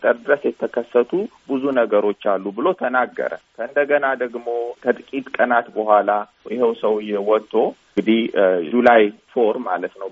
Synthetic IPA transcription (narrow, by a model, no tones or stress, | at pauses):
t̪ʼəɾd̪ɨɾəsjɛt̪ʰːəkʰəsːət̪ʰubɨzunəɡəɾo̞t͡ʃːalːubɨlo̞t̪ʰənaɡːə̰ɾə̰kʰəɨnd̪əɡənad̪əɡmo̞t̪ʰət̪ʼkʼit̪ʼkʼənat̪bəhʷala | jɪhewsəwɨjːɛwɔt̪ʰʼːo̞ | ŋɡɨd̪id͡ʒulajfo̞ɾmalət̪nəw